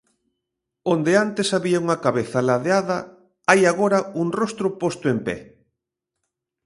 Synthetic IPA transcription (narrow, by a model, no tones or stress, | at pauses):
õnd̪eant̪esaβiauŋɐkaβeθalaðeaðɐ | ajaɣoɾɐuŋrost̪ɾʊpost̪ʊempɛ̰